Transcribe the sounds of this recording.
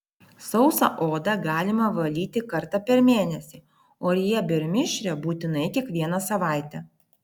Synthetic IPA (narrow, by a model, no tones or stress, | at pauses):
sɒʊsɐ̰ʔoːd̪ɐɡɑːlʲɪmɐʋɐlʲiːt̪ʲɪkɐɾt̪ɑpʲɛɾmʲeːnʲɛsʲi | oːɾʲɪjɛbʲɛɾʲmʲɪʃʲɾʲɛbuːt̪ʲɪnɐɪkʲiɛkʋʲiɛnɐsɐʋɑˑɪt̪ʲɛ